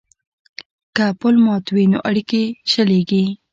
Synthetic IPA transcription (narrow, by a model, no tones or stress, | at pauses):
kapəlmɑt̪wino̰ʔaɽikeʃəleɡi